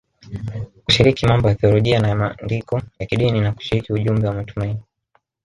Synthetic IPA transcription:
ku̥ʃiɾikimambɔjaθiɔlɔʄianamandikɔjakiɗininaku̥ʃiɾikiuʄumbɛwamatumaini

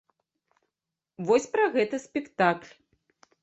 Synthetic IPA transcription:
vɔsʲpɾɐɣɛt̪ɐsʲpʲɛkt̪aklʲ

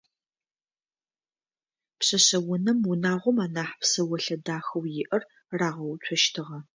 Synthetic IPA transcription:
pɕɐɕɐwʊnɐmwʊnaːʁʷɔmaːnaːħpsɐwɐɬɐdaːxɐwjɪʔɐr | raːʁɐwt͡ʃʷʰɔʃtʰɨʁɐ

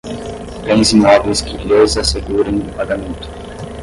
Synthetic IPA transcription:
t̪ẽj̃zimɔvjskɪlejzaseɡuɾɐ̃w̃d̪ʊpaɡamẽnt̪ʊ̥

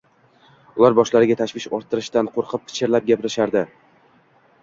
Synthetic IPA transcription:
ʊlˠaɾbɒʃlaɾɪɡʲat̪ʰaʃvɪʃɒɾt̪ʰːɪɾɪʃt̪anqʰoɾqʰɨp̚pʰɪ̥t͡ʃʰɪɾlap̚ɡʲapɪɾɪʃaɾd̪ɪ

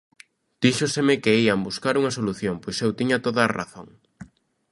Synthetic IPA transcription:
d̪̥iʃosemɪkeiambuskaɾuŋɐsoluθjompojsewt̪iɲɐt̪oðaːra̰θoŋ

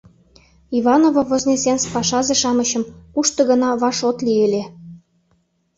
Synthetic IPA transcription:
iβɑnovovozʲnʲesenspɑʃɑzeʃɑməɕə̆mkuʃt̪ɤ̆ɣə̆nɑβɑʃot̪lielʲe

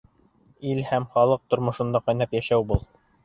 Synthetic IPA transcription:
ilhæmχɑlˠɤq̚t̪ŏɾmŏʃɤ̆nd̪ɑqɑjnɑpjæʃæwbulˠ

